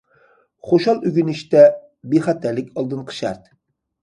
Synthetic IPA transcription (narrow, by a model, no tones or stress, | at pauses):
χoʃɑlˠyɡʲynɪʃt̪ɛ | beχæt̪ʰæɾlɪkʲɑlˠd̪ɨnqʰə̥ʃæ̰ɾt̪